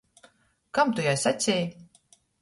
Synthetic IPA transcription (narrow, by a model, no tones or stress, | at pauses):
kamt̪ujajsasʲɛːj